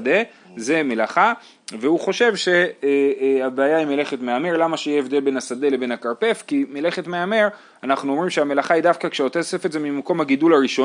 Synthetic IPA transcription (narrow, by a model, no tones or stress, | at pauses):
d̪e̞ | ze̞melaχa | ve̞uχo̞ʃe̞vʃe̞ | abeajaimele̞χetmeame̞ʁlamaʃejeevd̪e̞lbenasad̪e̞le̞be̞nakaʁpe̞fkimele̞χetmeame̞ʁ | anaχnuomʁimʃeame̞laχaidafkakʃeot̪esefezemimako̞mhaɡidulaʁiʃo